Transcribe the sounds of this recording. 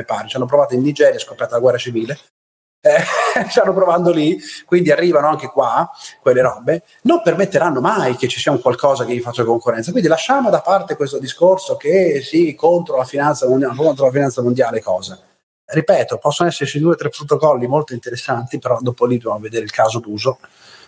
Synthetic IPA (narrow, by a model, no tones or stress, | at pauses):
epaːɾet͡ʃianːopɾovaːt̪oinːid͡ʒɛːɾjaskopːjaːt̪alaɡwɛrːat͡ʃiviːle | ɛst̪anːopɾovand̪olikwind̪iarːiːvanoaŋkekwakwelːeɾɔbe | nompermet̪ːeɾanːomajket͡ʃːisiːauŋkwalkɔːzakejiifat͡ʃːakoŋkurːɛnakwind̪ilaʃːaːmod̪apːart̪ekwest̪od̪iskorsokesikont̪ɾolafinant̪samonakont̪ɾolafinant̪samond̪jaːlekɔːza | ripɛːt̪opɔsːonoɛsːeɾt͡ʃid̪uːet̪ɾepːɾot̪okɔlːimolt̪oint̪eɾesːant̪ipeɾɔd̪oːpolid̪jamavːed̪eːɾeilkʰaːzod̪uːzo